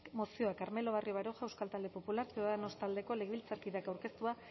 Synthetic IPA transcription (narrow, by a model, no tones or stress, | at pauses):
mosio̞akaɾme̞lo̞β̞ario̞β̞aɾoʝaewskalt̪ald̪e̞po̞pulaɾpeðanost̪ald̪e̞ko̞le̞ɣilt͡saɾkiðeakawɾke̞st̪ua